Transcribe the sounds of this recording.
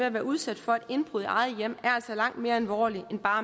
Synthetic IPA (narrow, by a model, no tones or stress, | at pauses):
eæʋæːɐuð̞ˠsæd̥fɒ̽e̝d̥e̝nb̥ʁuð̞̰ˠiɑ̈ɪð̩ˠjem̰æɐælsɒlɑ̈ŋ̰d̥me̝ːɐælʋɒ̰ːliʔenb̥ɑ̈ː